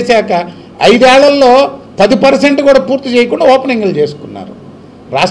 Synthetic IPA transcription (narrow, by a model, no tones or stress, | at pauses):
sɛːkɐ | ɐjd̪ɛːɭɐlːo̞ː | pɐd̪ipɐɾseɳʈukuːɽaːpuːɾt̪ːit͡ʃeːjɐkuɳɖaɔːpɐniŋɡult͡ʃe̞ːsu̥kunːa̰ːɾṵ | ɾaːʂ